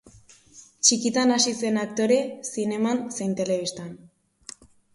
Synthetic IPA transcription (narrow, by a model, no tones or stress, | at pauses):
t͡ʃikit̪anasise̞nak̚t̪o̞ɾe̞sine̞manse̞jnt̪e̞le̞βist̪an